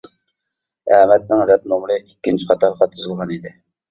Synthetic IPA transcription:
ɛmɛt̪̚nɪŋɾɛt̪̚nomɾɨʔikʲːɪnt͡ʃʰi̥qʰɑt̪ɑɾʁɑt̪ʰuzɨlˠʁɑnid̪ɪ

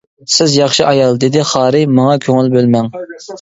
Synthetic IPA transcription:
sɪzjɑχʃiʔɑjɑlˠd̪ed̪ɪχɑːɾɪmɑŋɑkʲʰøŋylbølmɛŋ

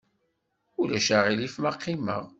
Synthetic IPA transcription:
ulæʃaʁilifmaqːimə̰ʁ

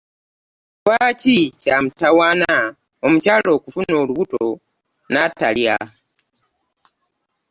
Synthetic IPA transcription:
waːcicamutawaːna | omucaːlo̞ːkufuno̞ːluβuto | natːa̰lja

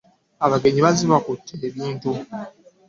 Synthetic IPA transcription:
aβaɡe̞ɲiβaziβakutʰːeːβiːntu

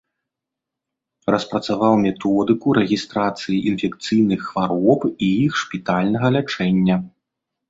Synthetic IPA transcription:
rɐspɾɐt̪savawmʲɛt̪ɔd̪ɨkuɾɛɣʲist̪ɾat̪sɨjiʔinfʲɛkt̪sɨjnɨxːvaɾɔpijixʂpʲit̪alʲnɐɣɐlʲat͡ʂɛnʲːɐ

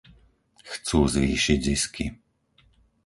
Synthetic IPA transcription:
xt͡suːzʋiːʃiɟziski

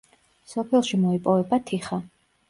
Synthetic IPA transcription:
sɔpʰɛlˠʃimɔipʼɔvɛbat̪ʰiχa

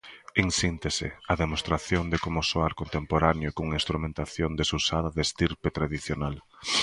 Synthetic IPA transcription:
iŋsint̪esɪ̰aðemost̪ɾaθjond̪ekomʊsoaɾkont̪empoɾanjokoŋĩnst̪ɾumẽnt̪aθjond̪esusaðɐðest̪iɾpet̪ɾaðiθjonal

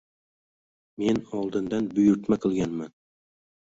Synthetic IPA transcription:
me̞nɒlˠd̪ɪnd̪anbʊjʊɾt̪maqʰɨlˠɡʲanman

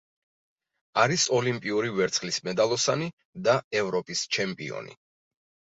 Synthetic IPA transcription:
aɾisɔlimpʼiuɾivɛɾt̪sχlismɛd̪alˠɔsani | d̪aɛvɾɔpʼist͡ʃʰɛmpʼḭɔ̰nḭ

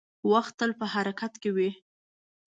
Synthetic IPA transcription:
waxt̪ːəlpəhaɾakat̪kewi

